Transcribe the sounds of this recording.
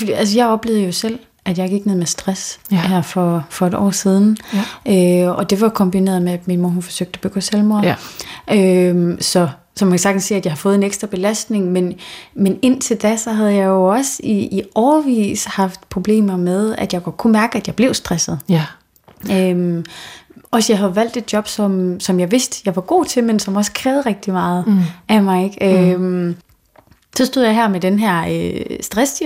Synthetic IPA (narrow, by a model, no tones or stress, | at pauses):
æls̬əjɑ̈ɪɒ̽b̥le̝ːʊð̩ˠəjo̝sel̰ | ʔæd̥jɑ̈ɪɡ̥iɡ̥neð̰ˠmesd̥ʁasæɐfɒfɒ̽e̝d̥ɒ̰ːsið̞ˠn̩ʔøɒd̥e̝ʋɑ̈kʰɒ̽mb̥ine̝̰ɐðˠmeæd̥minmoɐhunfɒ̽søɡ̥̚d̥æb̥øɡ̥oselmo̝ɐʔømsɒ̽ | sɒmænkʰæsɑɡ̥d̥n̩sḛːæd̥jɑ̈ɪhɑ̈fɔ̽ːð̩ˠeneɡ̥sd̥ʁɐb̥e̝læsd̥ne̝ŋmenmene̝n̰t͡sʰe̝ld̥æsɒ̽ɦæð̞̩ˠjɑ̈ɪjo̝ɒ̽siiʔɒʊɐʋḭːshɑ̈fd̥̚pʰʁo̝b̥le̝̰ːmɐmeð̞ˠæd̥jɑ̈ɪɡ̥ɒd̥̚kʰumæɐɡ̥əæd̥jɑ̈ɪb̥le̝ʊsd̥ʁɛsð̩ˠ | øm | ɒsjɑɪɦæðˠʋæl̰d̥e̝d̥̚djɒ̽b̥sɒ̽msɒ̽mjɑ̈ɪʋe̝sd̥jɑ̈ɪʋɑ̈ɡ̥o̝̰ːt͡sʰe̝lmensɒ̽mɒ̽skʰʁɛːð̩ˠʁɛɡ̥̚d̥imɑ̈ːð̩ˠʔæmɑ̈ɪeɡ̥øm | sɒsd̥o̝ð̰ˠjɑɦæɐ̰med̥enɦæɐ̰sd̥ʁɛs